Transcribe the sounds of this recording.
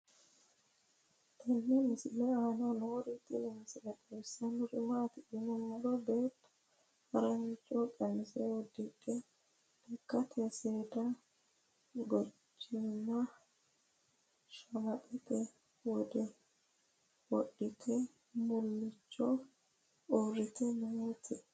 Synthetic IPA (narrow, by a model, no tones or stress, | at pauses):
t̪ʰɛnːɛmɪsɪlɛaːnɐnoːɾɪt̪ʼɪnɪmɪsɪlɛtʼɛsːɐnʊɾɪmaːt̪ɪʔɪnɔmʊlɔbeːt̪ː | hɐɾɐɲɪt͡ʃʼːɔkʼɛmːɪsɛwɔd̪ɪkʼːɛ | ɛkːɐt̪ʰɛseːd̪ɐ | ɡɔt͡ʃːɪnːɐ | ʃɐmɐt̪ʼɛt̪ɛ | wɔd̪ɛ | wɔɗːɪt̪ʰɛ | mʊlːɪt͡ʃːɔ | ɔɾɪt̪ɛnɛet̪ʰɪ